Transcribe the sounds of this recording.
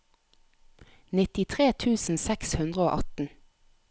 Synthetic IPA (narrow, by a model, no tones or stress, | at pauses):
nɪt̪ɪt̪ʰʁeːt̪ʰʉːsn̩sɛkshʉnd̪ʁəoːʔɑt̪n̩